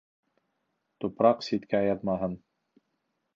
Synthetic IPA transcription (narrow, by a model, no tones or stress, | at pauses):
t̪upɾɑqsit̪kæjɑt̪mɑɦɤn